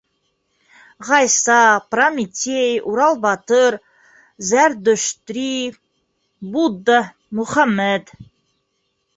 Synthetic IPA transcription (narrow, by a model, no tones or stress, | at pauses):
ʁɑjsɑpramit̪ʲʰejuɾɑlˠbɑt̪əɾ | zæɾd̪ɵʃt̪ɾi | bud̪ːɑ | muχamːæd̪